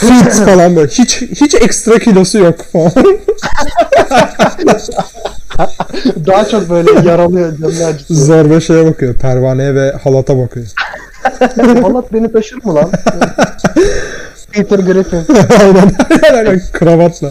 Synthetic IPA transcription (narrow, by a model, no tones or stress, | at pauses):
fit̪sfalˠanbølʲɛhit͡ʃhit͡ʃɛkst̪ɾakʰilʲo̞sujokfalan | d̪aɦat͡ʃʰok̚bøjlʲɛjaɾalˠɯjod͡ʒɛmlʲæd͡ʒzoɾbɛʃejɛbakʰɯjopʰæɾvaːnejɛvɛhalˠat̪ʰabakʰɯjo | anːˠat̪̚benit̪ʰaʃɯɾmulˠan | pʰit̪ɯɾɡɾifinajd̪ad̪alaɾakʰɯɾavat̪lˠa